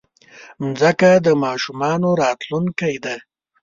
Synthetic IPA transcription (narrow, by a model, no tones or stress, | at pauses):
mzəkad̪əmɑːʃumɑnoɾɑːt̪lunkajd̪a